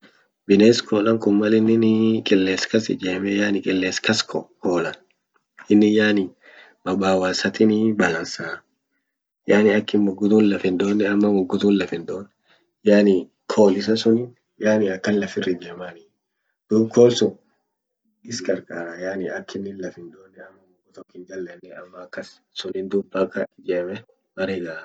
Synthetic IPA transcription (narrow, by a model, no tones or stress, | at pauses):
bɪneːskʰoːlɐŋkʊmːɐlɪnːɪnɪkʼɪlːeːskɐsɪ̰d͡ʒeːmɛjaːnɪkʼɪlːeːskɐskʰɔkoːlɐ | ɪnːɪjaːnɪ | bɐbaːwaːsɐt̪ɪnɪbɐlɐnsaː | jaːnɪɐkːɪnmʊɡːʊt̪uːnlɐfɪnd̪oːnːɛɐmːɐmʊɡːʊt̪uːnlɐfɪnd̪oːnːɛ | jaːnɪ | kʰoːlɪs̬ɐsʊnɪn | jaːnɪɐkːɐnlɐfɪrːɪd̪eːmani | d̪̥ubkʰoːlsʊ | ɪskʼɐɾkʼaːɾajaːnɪɐkʰːɪnːɪnlɐfɪnd̪oːnːɛɐmːɐmʊɡʊt̪ɔkːɪnd͡ʒɐlːɐnːɛɐmːɐːkːɐs | sʊnɪnd̪ubɐkʼːɐɪd͡ʒeːmɛ | mɐɾeːɡa